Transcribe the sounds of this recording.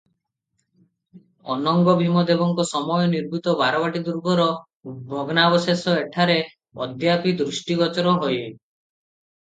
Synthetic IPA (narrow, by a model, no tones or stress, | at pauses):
ɔ̰nɔŋɡɔbʱimɔd̪ebɔŋkɔsɔmɔjɔniɾbʱut̪ɔbaɾɔbaʈid̪uɾɡɔɾɔ | bʱɔɡɔnabɔsesɔeʈʰaɾe | ɔd̪japid̪ɾusʈiɡɔt͡ʃɔɾɔɦɔje